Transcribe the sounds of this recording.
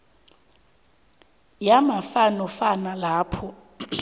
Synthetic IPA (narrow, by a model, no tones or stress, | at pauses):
jamafanɔfanalaːpʰɔ